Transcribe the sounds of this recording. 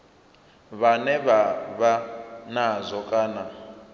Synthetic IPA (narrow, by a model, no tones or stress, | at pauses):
βanɛβaβanazʷɔkʼaːna